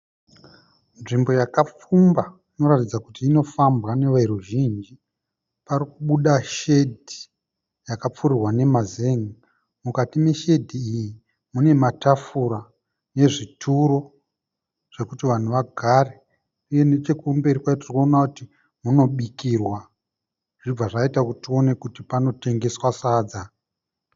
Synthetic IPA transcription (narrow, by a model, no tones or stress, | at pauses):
nʐimbo̞jakap͡fumba | ino̞ɾatid͡zakutiːno̞fambane̞ʋaiɾuʒind͡ʒi | paɾikuɓuɗaʃe̞dʱi̥ | jakap͡furirwane̞mazeŋi | mukatime̞ʃe̞dʱiːji | mune̞matafuɾa | ne̞ʐitʰuɾo̞ | ʐ̥e̞kutiʋan̤uʋaɡʱare | uje̞net͡ʃe̞kumbe̞ɾikwaotirkonakuti | muno̞ɓikirwa | ʐ̥ib͡vaʐaitakutio̞ne̞kutipano̞te̞ŋɡe̞swasaːd͡za